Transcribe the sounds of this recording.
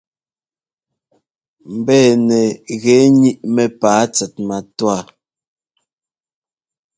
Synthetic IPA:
m̩˨bɛː˦˨nɛ˨ɣɛ˨˦ɲi˦ʔmɛ˨paː˨˦t͡sɛ˨t̚ma˨twa˦˨

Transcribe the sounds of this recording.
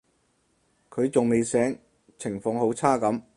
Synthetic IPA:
kʰɵ˨˧ɥt͡sʊ˨ŋme˨jsɛː˨˥ŋ | t͡sʰɪ˨˩ŋfɔː˨˧ŋho˨˥wt͡sʰaː˥kɐ˨˥m

